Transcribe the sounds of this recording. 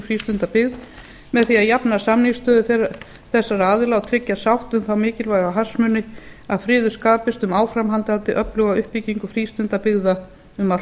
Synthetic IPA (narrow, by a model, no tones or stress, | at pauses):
fɾiːst̪ʏnt̪apɪɣð | mɛðθiaðjapnasamniŋst̪œːðʏθɛ | θɛsːaɾaaːðɪlawt̪ʰɾɪcːasawht̪ʏmθawmɪːcɪlvajɣaɦḁsmʏnːɪ | aðfɾɪːðʏskaːpɪst̪ʏmaːwfɾamɦant̪ant̪ɪʔœplœɣaʏhpiciŋkʏfɾiːst̪ʏnt̪apɪɣða | ʏma